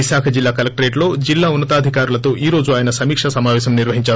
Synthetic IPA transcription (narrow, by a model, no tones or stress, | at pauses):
isaːkʰɐd͡ʒilːaːkɐlɐk̚ʈɐɾe̞ːʈlo̞ːd͡ʒilːaːunːɐt̪aːd̪ʱikaːɾulɐt̪o̞ːʔiːɾo̞ːd͡ʒuaːjɐnɐsɐmiːkʂɐsɐmaːʋɛːs̬ɐmniɾʋɐɦiɲt͡ʃaː